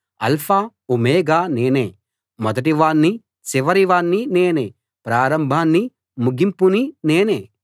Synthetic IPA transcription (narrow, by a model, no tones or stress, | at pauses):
ɐ̰lpʰaː | umeːɡaːneːneː | mɔd̪ɐʈiʋaːɳːi | siʋɐɾiʋaːɳːineːneː | pɾaːɾɐmbʱaːnːi | muɡimpunineːneː